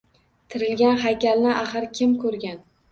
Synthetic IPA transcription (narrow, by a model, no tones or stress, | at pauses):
t̪ʰɪɾɪlɡʲanɦajkʲalnɪʔaχɨɾkʲʰɪmkʰɵɾɡʲan